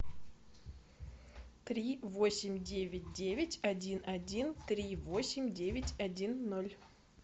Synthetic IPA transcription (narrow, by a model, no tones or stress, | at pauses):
t̪ɾʲivo̞sʲɪmʲdʲevʲɪt̚ʲdʲevʲɪtʲɐdʲinʔɐdʲint̪ɾʲivosʲɪmʲdʲevʲɪtʲɐdʲinːolʲ